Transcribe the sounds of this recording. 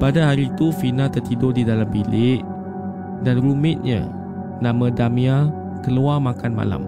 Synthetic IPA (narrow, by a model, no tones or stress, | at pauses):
padaɦaɾit̪ufinãt̪ərt̪idʊdidalambilɪʔ | danrumɪt̪̚ɲa̰ | nãmãdamĩa | kəluarmakanma̰la̰m